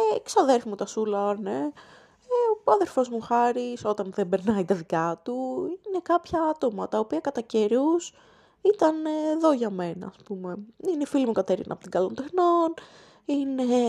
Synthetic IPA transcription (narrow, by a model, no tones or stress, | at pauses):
eksɐðe̞ɾfimut̪ɐsulɐne | eoɐðe̞ɾfo̞zmuxɐɾiso̞t̪ɐnðembe̞ɾnɐit̪ɐðikɐt̪uine̞kɐpçɐɐt̪o̞mɐt̪ɐopiɐkɐt̪ɐce̞ɾus | it̪ɐnːðo̞ʝɐme̞nɐ̰ːspume̞inefilimukɐt̪e̞ɾḭnʔɐ̰pot̪iŋɡɐlo̞nt̪e̞xno̞n | ine̞